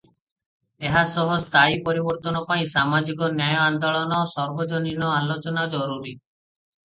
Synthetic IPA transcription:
eɦasɔɦɔst̪aipɔɾibɔɾt̪ɔnɔpaĩsamad͡ʒikɔnjajɔand̪ɔɭɔnɔsɔɾbod͡ʒoninɔalot͡ʃɔnad͡ʒɔɾuɾi

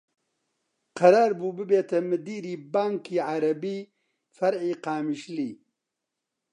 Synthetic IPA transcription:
qɐɾaːɾbuːbɨbeːt̪ʰɐmɨd̪iːɾiːbaːŋkʰiːʕaɾɐbiː | fɐɾʕiːqaːmiʃliː

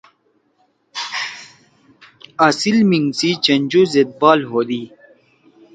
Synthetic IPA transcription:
asilmiŋsit͡ɕɐnd͡ʑuzet̪̚bɑːlɦod̪i

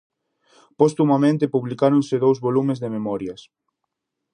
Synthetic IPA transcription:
pɔst̪umɐmẽnt̪ɪpuβlikaɾonsɪðowzβolumɪzðememɔɾjɐs

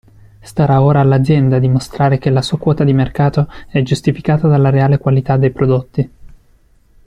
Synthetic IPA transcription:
st̪aɾaoːɾaːlːad̪zjɛnd̪ad̪imost̪ɾaːɾek̟elasuːakwɔːt̪ad̪imerkaːt̪oɛd͡ʒust̪ifikaːt̪ad̪alːaɾeaːlekwalit̪ad̪ːejpɾod̪ot̪ːi

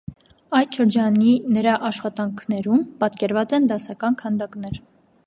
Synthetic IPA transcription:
ɑjt̪ʃəɾd͡ʒɑninəɾɑʔɑʃχɑt̪ɑŋkʰnɛɾumpɑt̪kɛɾvɑt͡sɛnd̪ɑsɑkɑnkʰɑnd̪ɑkn̪ɛɾ

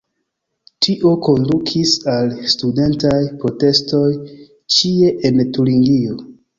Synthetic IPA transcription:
tʰiʔo̞ko̞ndukʰisalstude̞ntajpɾo̞te̞sto̞j | t͡ʃie̞ʔentuɾiŋɡio̞

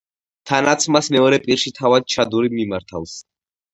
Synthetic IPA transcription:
t̪ʰanat̪sʰmasmɛɔɾɛpʼiɾʃit̪ʰavad̪̚t͡ʃʰad̪uɾimimaɾt̪ʰa̰ls

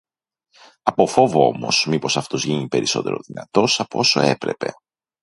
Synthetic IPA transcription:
ɐpo̞fo̞voo̞̰mo̞smipo̞sɐft̪o̞zʝinipe̞ɾiso̞t̪e̞ɾo̞̰ðinɐt̪o̞sɐpoo̞so̞̰e̞pɾe̞pe̞̰

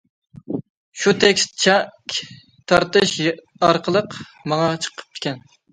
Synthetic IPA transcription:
ʃut̪ʰɛkʲst̪t͡ʃʰɛkʲ | t̪ʰɑɾt̪ɨʃ | ɑɾqʰəlˠəq | mɑŋɑt͡ʃʰə̥qʰə̥p̚t̪ʰɪ̥kʲɛn

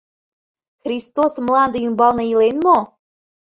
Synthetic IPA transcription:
xɾʲist̪osmlˠɑnd̪əymbɑlˠnɤilenmo

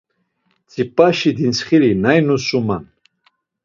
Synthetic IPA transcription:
t͡sʼipʼaʃid̪insχilinajnusuman

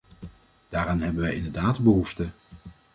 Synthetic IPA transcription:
d̥aːɾaːnɦɛbənʋɛjɪ̰ndəɹdaːtbəɦuftə

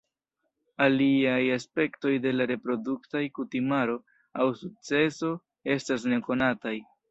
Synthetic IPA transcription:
aliajaspe̞kto̞jde̞laɾe̞pɾo̞duktajkutimaɾo̞ | awsuk̚t͡se̞so̞ | e̞stas̬ne̞ko̞nataj

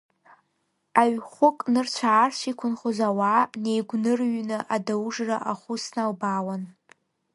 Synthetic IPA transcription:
aɥχʷʊkʼnɨrt͡ʃʷʰaːrʃʷikʷʰʊnχozawane̞jɡʷnɨrɥnɨʔadawʐra̰ʔaχʷʊsnalbaːwan

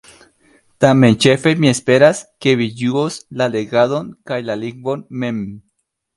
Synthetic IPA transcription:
t̪ament͡ʃefemiespeɾaskeβijuoslaleɣaðoŋkajlaliŋbonmem

